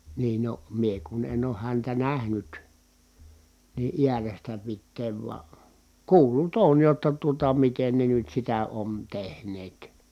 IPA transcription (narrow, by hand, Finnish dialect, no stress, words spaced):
niːn no mie kun en oːh hæntæ næhnyt niː ʔiærestæ pitːeːʋ ʋuɑ kuːlˑut oːj jotːɑ tuotɑ miten ne nyt sitæ on tehneːt